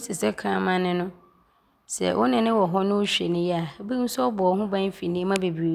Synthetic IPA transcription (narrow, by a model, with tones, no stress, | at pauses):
sɪ˨sɛ˦kʰãː˨mã˦nɪ̃˦nʊ̃˦ | sɛ̰˨ʔʊ˦nɪ̃˨nɪ̃˦wɔ˨ɦɔ˦nʊ̃˦ʊ˦ɕᶣɛ̰˨nɪ̃˦jɛ˦a˨˦bi˦n̩˦sɔ˦ɔ˦bɔ˨˦ɦʊ̃˦bã˦n˦fi˨nɪ̃˦mã˦be˨bi˨o˨˦